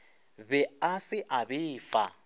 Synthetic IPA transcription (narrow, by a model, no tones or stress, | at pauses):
bɛasɪʔabɪːfa